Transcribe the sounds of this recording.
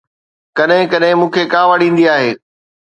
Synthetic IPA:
kɐɗɦɪ̃kɐɗɦɪ̃mũːkʰekaːʋaɽĩːnd̪iaːɦeː

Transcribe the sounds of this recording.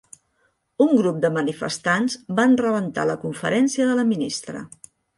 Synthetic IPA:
uŋɡɾup̚d̪əmənifə̰st̪anzbanrəβənt̪a̰ləkuɱfə̰ɾɛnsiəðələminist̪ɾə̰

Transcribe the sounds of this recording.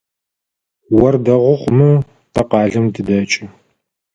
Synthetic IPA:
wɐrdɐʁʷʊχʷmɨ | tʰɐqɑːɮɨmdɨdɐt͡ʃʼɪ

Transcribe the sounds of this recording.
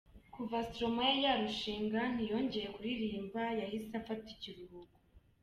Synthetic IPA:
kuvastɾo̞majajaɾuʃiːŋɡan̥ijo̞ɲɟe̞jekuɾiɾiːmbajahisafaticiɾuhuɡu

